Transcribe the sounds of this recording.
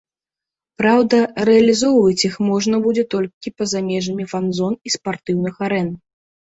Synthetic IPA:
pɾawd̪ɐrɛɐlʲizɔwvɐt͡sʲixmɔʐnɐbud͡zʲɛt̪ɔlʲkʲipɐzamʲɛʐɐmʲifanzɔnispart̪ɨwnɨxaɾɛn

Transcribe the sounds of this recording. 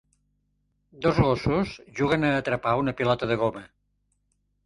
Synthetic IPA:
d̪ozɣosuzʒuɣənəːt̪ɾəpaunəpilɔt̪əðəɣomə

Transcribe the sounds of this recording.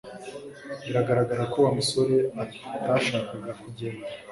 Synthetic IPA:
miɾaɡaɾaɡaɾakowamuso̞ɾe̞a | taʃaːkaɡakuɟeɾa

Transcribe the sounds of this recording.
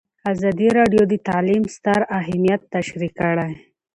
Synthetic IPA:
azɑd̪iɾɑɖjod̪ət̪alimst̪aɾaɦmijat̪ːaʃɾikəɽaj

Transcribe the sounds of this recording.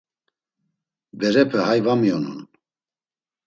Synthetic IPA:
bɛɾɛpʰɛhajvamiɔnṵn

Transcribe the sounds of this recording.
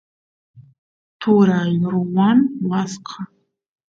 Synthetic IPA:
tʰuɾajʊɾwanwasqʰa

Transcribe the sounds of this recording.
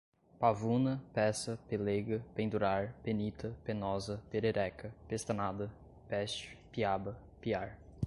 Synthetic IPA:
pavunɐpɛsɐpeleɡɐpẽnd̪uɾaɾpenit̪ʰɐpenɔzɐpeɾeɾɛkɐpest̪ɐnad̪ɐ | pɛst͡ʃʊ̥piabɐ | piaɾ

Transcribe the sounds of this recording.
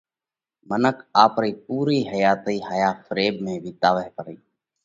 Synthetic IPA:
mənəkʰaːpɾiːpuːɾiːɦəjaːt̪iːɦaːjaːfəɾeːbmẽːbʱiːt̪aːʋəɦpəɾiː

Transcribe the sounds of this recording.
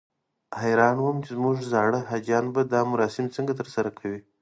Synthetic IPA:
hajɾɑnwəmt͡ʃɪzmuʐzɑɽəɦad͡ʒɑnbad̪ɑmʊɾɑsɪmt͡səŋɡat̪əɾsaɾakʰawi

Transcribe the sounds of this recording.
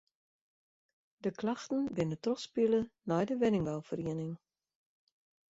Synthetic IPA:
dəklaxtən̩bɪnətrɔspilənɔjdəʋɪnɪŋʋɛlˠfəriənɪŋ

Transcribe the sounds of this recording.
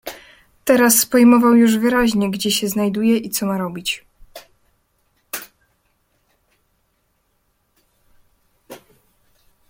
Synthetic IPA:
t̪ɛɾaspɔjmɔvawjuʐvɘɾaʑɲɛɡd͡ʑɛɕɛznajd̪ujɛʔit̪sɔmaɾɔbʲit͡ɕ

